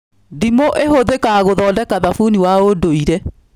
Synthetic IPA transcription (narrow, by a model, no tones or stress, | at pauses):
dimoʔeɦoðekaɣoðɔːndɛkaðafuniwaodoiɾɛ